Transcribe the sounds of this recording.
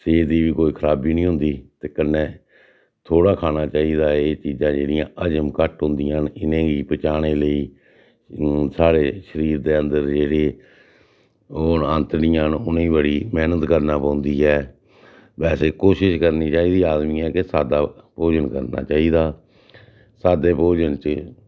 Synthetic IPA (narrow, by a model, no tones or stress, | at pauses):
seːd̪iːʋiːkoːiːkʰəɾaːbiːnĩːɦʊ̃nd̪iːt̪eːkənːẽː | t̪ʰoːɽaːkʰaːñaːt͡ʃaːiːd̪aːeːt͡ʃiːzãːd͡ʒeːɽɪjãːʔəd͡ʒəmkəʈɦʊ̃nd̪ɪjãːnɪnẽːɡiːpət͡ʃaːɽ̃eːləiː | saːɽeːʃəɾiːɾd̪eːənd̪əɾd͡ʒeːɽeː | oːnə̃nt̪nɪjãːnʊnẽːbəɽiːmɛːnət̪kəɾnaːpãːʊnd̪iːɛː | bɛːseːkoːʃɪʃkəɾniːt͡ʃaːiːd̪iːaːd̪miːɛːkɪsaːd̪aːpoːd͡ʒənkəɾna̰ːt͡ʃaːiːd̪aː | saːd̪eːpoːd͡ʒənt͡ʃ